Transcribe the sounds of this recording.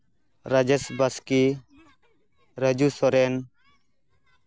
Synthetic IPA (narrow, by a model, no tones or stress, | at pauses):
ɾad͡ʒesbəski | ɾəd͡ʒusɔɾɛn